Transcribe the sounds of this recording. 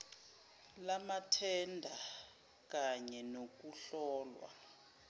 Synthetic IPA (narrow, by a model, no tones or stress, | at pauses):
lamatʰɛndʱa | k̬aɲɛnok̬uɬɔːlwa̰